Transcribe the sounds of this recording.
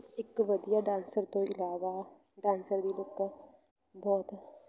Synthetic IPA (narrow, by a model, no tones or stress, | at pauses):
ɪkʋəd̪ijaːɖãːnsəɾt̪õɪlaːʋa | ɖãːnsəɾd̪iːlʊk | bɔːt̪